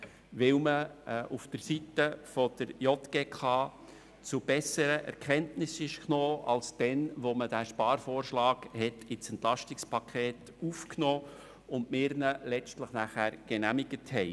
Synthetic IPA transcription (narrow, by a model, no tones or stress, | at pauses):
ʋɪwməʔufd̥əɾsitəfod̥əɾjɔtɡ̥eːkʰɑː | t͡sʊb̥ɛsəɾəʔɛ̰ɾkʰɛntnɪsɪʃknoːʔɑlsd̥ɛnʋoməd̥æːʃpɑːɾfoːrʃlɑːɡhɛtɪt͡sɛntlɑʃtɪkspʰɑkʰeːt | ufknoː | ʊndmɪːɾnəlɛt͡stləχnæχæːɾɡ̥ɛnæmɪɡ̥əthɛɪ